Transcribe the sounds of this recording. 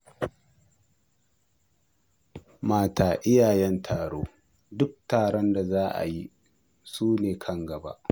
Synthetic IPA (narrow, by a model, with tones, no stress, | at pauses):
maː˦taː˨ʔɪ˦jaː˨jɛ˦ntʰaː˨ɽoː˦ | dʊ˦k̚taː˨ɽɔ˦nda˨zaː˦ʔa̰˨ji˦ | suː˦neː˨kʰɐ˦ŋɡɐ˨ba̰˦ʔ